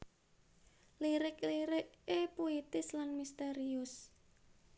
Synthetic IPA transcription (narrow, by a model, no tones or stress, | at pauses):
liɾɪkliɾɪʔepuit̪ɪslanmist̪eɾiʊs